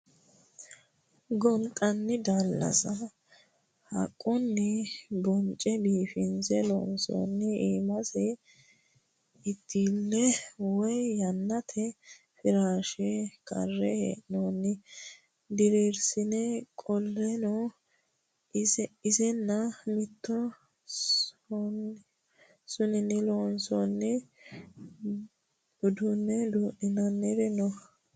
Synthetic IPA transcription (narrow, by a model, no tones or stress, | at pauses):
ɡɔnt̪ʼɐnːɪd̪ɐlːɐ̰sɐ | hɐ̰kʼːɔnːɪbɔnt͡ʃʼɛbiːfɪnzɛlɔ̰nsɔ̰nːɪiːmɐsɛ | ɪt̪ʰːiːlːɛwɔjjɐnːɐt̪ʰɛ | fɪɾaːʃɛkʼɐ̰rːɛhḛʔnoːnːɪ | d̪ɪɾeːɾsɪnɛkʼɔlːɛnɔ | ɪzɛnːɐmɪt̪ːɔ | sʊnɪnːɪloːnsɔnːɛ | ʊd̪ʊnːɛd̪uːʔɪnɐnːɛdɛnɔ